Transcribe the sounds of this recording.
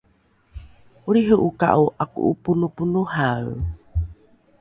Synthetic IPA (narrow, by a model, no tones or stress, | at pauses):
uɾiɦəʔuka̰ʔuʔakṵʔupunupunuhaw